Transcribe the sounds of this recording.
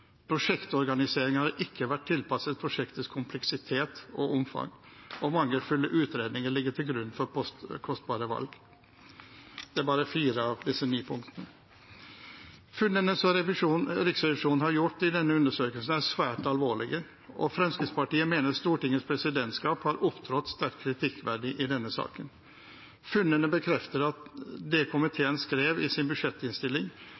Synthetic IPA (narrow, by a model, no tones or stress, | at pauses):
pʰɾʊʂɛkt̪ɔɾɡɑnɪseːɾɪŋhɑɾʔɪkːəʋæʈ̚ʰːɪlpɑsət̪̚pʰɾʊʂɛkt̪əskʰʊmpʰlɛksɪt̪ʰeːt̪ɔʔʊmfɑ̰ŋ | ɔmɑŋːəlfʉlːəʔʉːt̪ɾeːd̪nɪŋəɭɪɡːəʈ̪ʰɪlɡɾʉnːfɔɾɔkʰɔst̪̚bɑːɾəʋɑ̰lɡ | d̪̥ɛæbɑːɾəfiːɾəɑʋd̪ɪsːənyːpʰʊŋkt̪ənə | fʉnːənəsɔɾɛɾɪksɛʋɪʂuːnn̩hɑɾjʊʈːɪd̪ɛnːəʉnd̪əʂøːkəlsn̩æʂʋæːʈɑlʋoːɭɪɡə | ʔɔ̰fɾɑmskəspɑʈiːəmeːnəɾst̪uːʈɪŋːəspʰɾɛsɪd̪ɛnt̪skɑːphɑɾʔʊpt̪ʰɾɔt̪ːst̪æɾkkʰːɾɪt̪ʰɪkːʋæɖɪʔɪd̪ɛnːəsɑ̰ːkən | fʉnːənəbəkʰɾɛft̪əɾɑt̪d̪ɛkʰʊmɪt̪ʰeːənskɾeːʋɪsɪnbʉʂɛt̪ːɪnst̪ɪlːɪŋ